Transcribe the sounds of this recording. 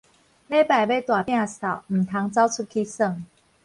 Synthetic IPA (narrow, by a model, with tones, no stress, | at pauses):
ne˥˧ɪpa˨˩ɪwe˥˧ɪt̪wa˨˩pa˨˩sa˨˩ʊm̩˨˩t̪ʰa˨˧˥ŋt͡sɑ˥˦ʊt͡sʰu˥˧kʰi˦˥sə˥˧˨ŋ